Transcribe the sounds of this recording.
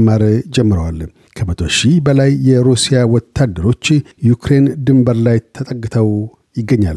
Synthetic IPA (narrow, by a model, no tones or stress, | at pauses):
mːaɾd͡ʒɛmːɨɾəwal | kʰəmət̪ʰo̞ʃibəlajːɛɾusijawɔt̪ʰːad̪ːəɾo̞t͡ʃːjukɾend̪ɨmbəɾlajt̪ʰːət̪ʼəkʼːɨt̪ʰəw | jɪɡːəɲːa̰l